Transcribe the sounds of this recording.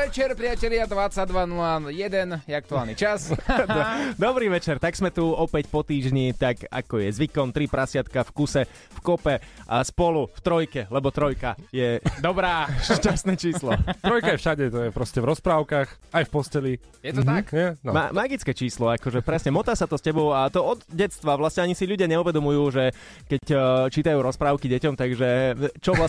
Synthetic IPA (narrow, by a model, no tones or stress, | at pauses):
ɛt͡ʃɛɾpɾɪacɛlɪad̪ʋat͡sːad̪ʋanulajɛd̪ɛnjɛak̚t̪uaːlˠnit͡ʃas | d̪ɔbɾiːʋɛt͡ʃɛɾt̪aɡz̥mɛt̪uɔpɛcpɔt̪iːʒɲit̪aka̰kɔjɛzʋikɔmt̪ɾipɾʔasɪat̪kafkusɛ | fkɔpɛʔaspɔluft̪ɾɔjkɛlɛbɔt̪ɾɔjkajɛd̪ɔbɾaːʃcast̪nɛt͡ʃiːslɔt̪ɾɔjkajɛfʃaɟɛt̪ɔjɛpɾɔscɛvɾɔspɾaːʊkaːx | ajfpɔscɛli | jɛtmɦ̩akɛnma̰maɡit͡skɛːt͡ʃiːslɔakɔʒɛpɾɛsɲɛmɔt̪aːsat̪ɔstcɛbɔʊat̪ɔɔd̪ɟɛt̪t͡st̪ʋaʋlasɲɛaɲisiʎuɟɪaɲɛuʋɛd̪ɔmujuːʒɛ | kɛct͡ʃiːt̪ajuːɾɔspɾaːʊkiɟɛcɔmt̪aɡʒɛt͡ʃɔʋla